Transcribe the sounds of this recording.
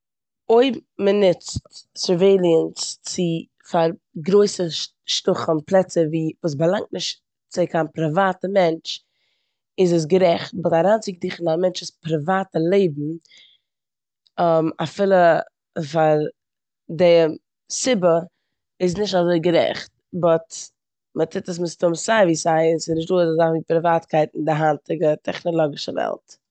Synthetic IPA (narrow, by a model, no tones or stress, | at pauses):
oɪmənɪt͡stsəɾveɪlˠiənst͡sɪ | faɾɡɾoɪsə | ʃtʊχən̩plˠɛt͡səviːvuːs̬bəlˠaŋt̚nɪʃt | t͡sɪkaːnpɾəvaːtəmɛnt͡ʃ | ɪzəs̬ɡəɾɛχt̚bɔtaɾant͡sɪɡ̚dɪχənamɛnt͡ʃɪspɾəvaːtəlˠeɪbm̩ | əmafɪlˠə | faɾ | dɛ | sɪbə | ɪs̬nɪʃtazoɪɡəɾɛ̰χt̚ | bɔt | mətʰɪtəs̬mɪstʊmsaɪviːsaɪsɪsnɪʃtduːəzzaχviːpɾɪvaːtkʰaɪtɪndɪɦantɪɡətʰɛχnɔlˠɔɡɪʃəvɛ̰lˠt